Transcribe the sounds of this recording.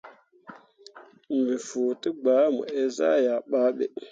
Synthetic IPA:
mbi˨fo˨tə˦ɡ͡ba˨˦mṵ˨e˦za˦ja˨ɓa˦ɓe˨

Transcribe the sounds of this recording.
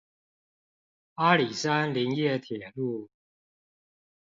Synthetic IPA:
a˦˥li˨˩sa˦nli˧˥ŋjɛ˥˩t̪ʰjɛ˨˩lu˥˩

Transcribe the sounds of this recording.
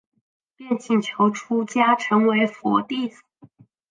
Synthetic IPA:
pjɛ˥˧nt͡ɕi˨˩nt͡ɕʰjo˧˥ʊʈ͡ʂʰu˥t͡ɕja˥ʈ͡ʂʰɤ˧˥ŋwe˧˥ɪfwɔ˧˥t̪i˥˩f

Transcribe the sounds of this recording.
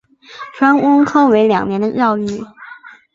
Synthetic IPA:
ʈ͡ʂʰwa˥nʊ˥ŋkʰɑ˥ʊwe˧˥ɪljɑ̰˨˩ŋnjɛ˧˥nd̪ə˧jɑ˥˧ʊy˥˩

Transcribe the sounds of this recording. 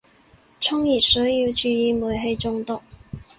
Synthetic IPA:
t͡sʰʊ˥ŋji˨˩sœ˨˥ji˧˥wt͡ʃyː˧iː˧˥mu˨˩jɦe˧˥jt͡sʊ˥ŋt̪ʊ˥˩ŋ

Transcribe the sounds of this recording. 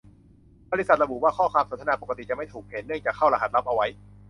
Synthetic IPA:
bɔː˧li˦˥sa˨t̪̚ɾa˧bu˨˩waː˥˩kʰɔː˥˩kʰwaː˧mso˩˦nt̪ʰa˧naː˧po˨˩ka˧t̪i˨˩t͡ɕa˨˩ma˥˩jt̪ʰuː˨˩k̚he˩˦nːɯ˥˩ŋt͡ɕaː˨˩kʰːa˥˩wɾa˧ɦa˨˩t̪̚la˦˥p̚ʔa˧wa˦˥j

